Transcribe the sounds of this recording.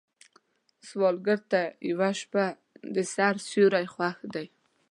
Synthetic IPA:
swɑlɡəɾt̪ajawaʃpa | d̪əsaɾsuɾajχwaxd̪aj

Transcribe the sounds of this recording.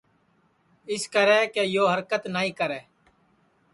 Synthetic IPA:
ɪskəɾɛːkeːjoːɦəɾkət̪naːĩːkəɾɛː

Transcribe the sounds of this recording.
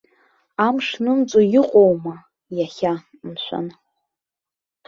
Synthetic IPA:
amʂnɨmt͡ʃʷʼojɪqʷʼowma | jaχʲa | mʃʷʰa̰n

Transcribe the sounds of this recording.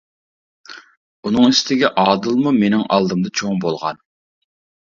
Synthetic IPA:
unɨŋist̪ʰɪɡʲɛʔɑːd̪ɨlˠmumenɪŋɑ̰lˠd̪ɨmd̪ɑt͡ʃʰoŋbolˠʁɑ̰n

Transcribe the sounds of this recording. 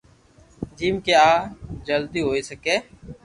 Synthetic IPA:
d͡ʒiːmkeaːd͡ʒəld̪iːɦoːiːsəkẽː

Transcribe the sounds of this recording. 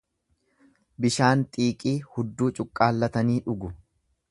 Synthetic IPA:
bɪʃaːnt̪ʼiːkʼiːhʊd̪ːuːt͡ʃʼʊkʼːaːlːɐt̪ɐniːᶑʊɡʊ

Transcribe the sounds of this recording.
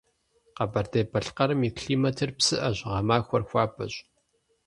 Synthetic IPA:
qɐbɐrdeːbɐɬqɐɾɨmikʰɬiːmɐtʰɨrpsɨʔɐʑʁɐmaːxʷɔrxʷɑːpʰʼɐ̰ɕʼ

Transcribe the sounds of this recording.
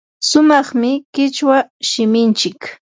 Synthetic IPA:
sʊmɑχmɪkɪt͡ʃwaʃɪmɪnt͡ʃɪk

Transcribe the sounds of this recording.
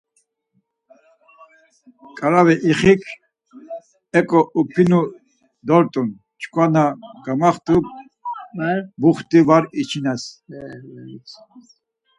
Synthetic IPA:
kʼaɾavɛʔiχikʰ | ɛkʼɔʔupʰinu | d̪ɔɾt̪ʼun | t͡ʃʰkʼwanaɡ̥amaχt̪ʼuk | buχt̪ʼivaɾit͡ʃʰinɛs

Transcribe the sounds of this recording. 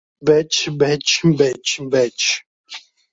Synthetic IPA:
bɛt͡ʃʰbɛt͡ʃʰbɛt͡ʃʰbɛt͡ʃʰ

